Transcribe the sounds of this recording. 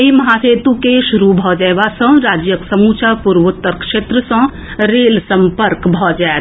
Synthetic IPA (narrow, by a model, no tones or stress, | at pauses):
ɦimɐɦaseːt̪ũkeʃʊɾubʱɔd͡ʒɛjʋasə̃ɾaːd͡ʒjəksɐmuːt͡ʃapuɾʋʊt̪ːəɾkʃeːt̪ɾəsə̃ | ɾeːlsɐ̃mpəɾkbʱɔːd͡ʒaj